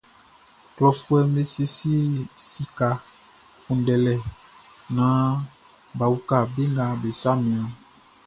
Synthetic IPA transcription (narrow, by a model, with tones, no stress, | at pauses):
klɔ˨fu˦ɛ˨me˦si˦si˦si˦ka˨ | kũ˨n˦ɖɛ˨lɛ˨ | nã˦ | ba˨wu˦ka˦˨be˦ŋɡa˨be˨sa˦mẽ˨ã˨